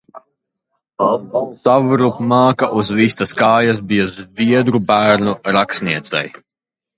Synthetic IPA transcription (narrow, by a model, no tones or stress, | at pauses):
savɾupmaːkaʔuzvist̪askaːjas̬bijazvʲiɛd̪ɾubæːɾnuɾaksniɛt̪sɛ̰j